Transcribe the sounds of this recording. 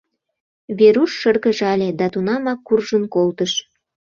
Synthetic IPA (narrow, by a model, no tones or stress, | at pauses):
βeɾuʃːərɣəʒɑlʲed̪ɑt̪unɑmɑkːurʒənkolt̪əʃ